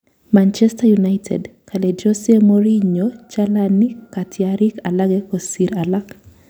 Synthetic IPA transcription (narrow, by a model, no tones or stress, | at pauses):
mant͡ʃɛstajunajtʰɛ̰dkalɛd͡ʒɔsɛmoɾiɲot͡ʃalanikatʰɪaɾikalaɡɛkosiɾalak